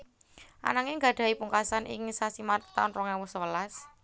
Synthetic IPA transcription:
ʔa̰naŋeŋɡa̤ɖ̥a̤ipuŋkasanʔḭŋsasimaɾt̪aʊnrɔŋɛwʊswəlas

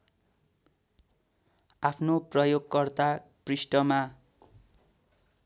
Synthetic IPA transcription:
apʰnoprʌjoɡkʌrt̪aprisʈʌma

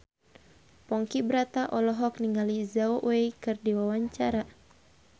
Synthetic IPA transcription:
pɔŋkibəɾat̪aʔɔlɔɦɔkniŋɡalizaoʔwejkɨrdiwawaɲt͡ʃaɾa

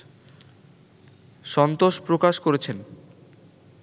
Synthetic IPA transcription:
ʃɔnt̪oʃpɾokaʃkoɾet͡ɕʰen

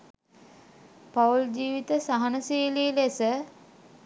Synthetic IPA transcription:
pauld͡ʑiːʋit̪əsaɦanəseːliːlesə

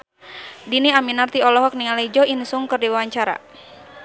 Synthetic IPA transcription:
diniaminart̪iɔlɔɦɔk̚niŋalaid͡ʒɔinsuŋkɨrdiwawaɲt͡ʃaɾa̰

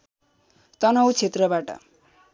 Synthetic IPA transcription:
t̪ʌnʌwt͡sʰet̪rʌbaʈʌ̰

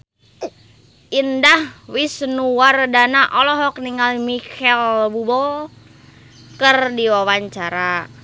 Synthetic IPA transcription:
ʔindahwisnuwardanaʔɔlɔɦɔk̚niŋalmikɛlbubɔ | kərdiwawaɲt͡ʃaɾa

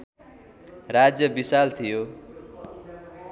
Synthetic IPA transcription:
rad͡zjʌbisalt̪ʰijo

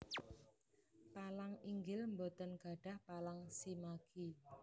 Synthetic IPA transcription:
palaŋiŋɡɪlmbot̪ənɡ̥a̤ɖ̥a̤hpalaŋsimaɡ̥i

